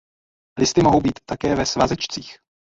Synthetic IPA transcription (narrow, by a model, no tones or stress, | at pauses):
lɪst̪ɪmo̞ɦowbiːt̪ːakɛːvɛsvazɛt͡ʃt͡siːx